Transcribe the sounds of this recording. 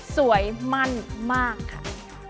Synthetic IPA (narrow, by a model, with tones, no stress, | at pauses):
su˩˦əjma˥˩nmaː˥˩kʰːa˥˩